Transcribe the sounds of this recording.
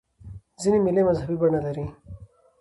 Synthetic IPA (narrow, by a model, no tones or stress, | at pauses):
zinimilemɐzɦɐbibɐnɐlɐɾi